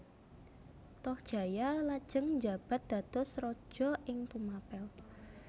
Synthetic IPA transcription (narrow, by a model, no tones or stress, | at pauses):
t̪ɔhd̥ʒ̥ä̤jalad̥ʒ̥əŋɲd͡ʒa̤b̥a̤t̪̚d̪̥a̤d̪̥ɔsrɔd̥ʒ̥ɔ̤ʔɪŋt̪umapɛl